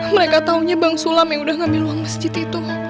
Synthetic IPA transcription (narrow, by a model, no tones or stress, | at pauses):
məɾekat̪auɲabaŋsulamjaŋudahŋambiluaŋməsd͡ʒit̪it̪u